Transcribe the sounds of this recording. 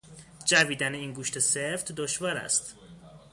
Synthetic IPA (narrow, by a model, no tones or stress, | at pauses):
d͡ʒæviːd̪æneiːnɡuːʃt̪ʰeseft̪d̪oʃvɒːɾæ̰st̪